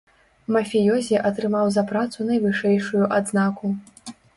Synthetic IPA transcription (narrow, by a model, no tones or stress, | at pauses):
mɐfʲijɔzʲiʔɐt̪ɾɨmawzɐpɾat̪sunɐjvɨʂɛjʂujuʔad̪znaku